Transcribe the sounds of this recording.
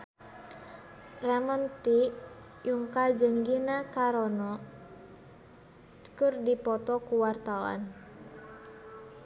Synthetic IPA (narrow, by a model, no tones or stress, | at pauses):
rɛmənt̪i | juŋkad͡ʒəŋɡinakaɾɔnɔ | kɨrdipɔt̪ɔkuwart̪awa̰n